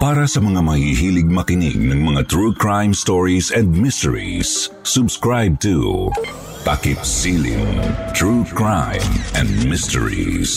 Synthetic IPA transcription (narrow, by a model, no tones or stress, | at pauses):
paːɾɐsɐmɐŋamɐhiɦiːlɪɡ̚mɐkɪnɪ̰ɡ̚nɐŋmɐŋat̪ɹuːkɹajmst̪ɔɹisɛ̃nd̪̚mɪst̪ɛɹḭsː | ʊbskɹajb̚t̪ṵ | t̪akɪt̪siːlɪ̰ŋt̪ɹukɹajmɛ̃nd̪̚mɪst̪ɛ̰ɹḭs